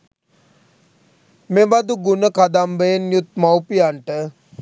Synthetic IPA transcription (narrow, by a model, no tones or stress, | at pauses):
meʋad̪uɡunəkad̪ambəjenjut̪̚mawpiaɳʈə